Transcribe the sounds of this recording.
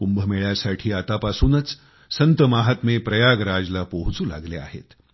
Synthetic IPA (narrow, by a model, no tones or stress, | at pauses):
kumbʱəmeɭjasaʈʰiːat̪apasuːnət͡s | sənt̪əmaɦat̪mepɾəjaɡɾad͡zlapəɦut͡suːla̰ɡlea̰ɦḛt̪